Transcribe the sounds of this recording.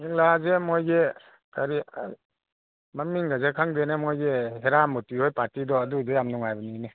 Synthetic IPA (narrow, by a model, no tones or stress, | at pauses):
niŋlazemojɡe | kʰaɾi | mamiŋɡazekʰaŋdenemojɡeɦeɾamutihojpaɾtidɔːdudejamnuŋajbanine